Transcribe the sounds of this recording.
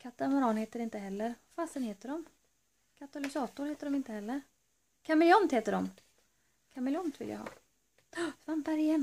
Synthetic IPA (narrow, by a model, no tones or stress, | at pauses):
kʰat̪amɔɾɑːnheːt̪əɾɪnt̪əɦɛlːəɾfast̪ənheːt̪əɖɔm | kʰat̪alɪsɑːt̪ʊɾheːt̪əɖɔmɪnt̪əhɛlːəɾ | kʰamɛlɪɔmt̪heːt̪əɖɔm | kʰamɛljɔmt̪vɪ̰lja̰hɑ̰ː | svambæɾɪjɛnː